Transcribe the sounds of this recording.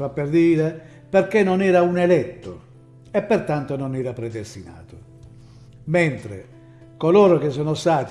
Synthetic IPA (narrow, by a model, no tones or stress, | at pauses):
apːerd̪iːɾe | peɾkenːonɛːɾaunɛlɛt̪ːo | ɛpːert̪ant̪ononɛːɾapɾɛd̪est̪ina̰ːt̪o | ment̪ɾḛ | koloːɾok̟es̬ːɔːnost̪aːt̪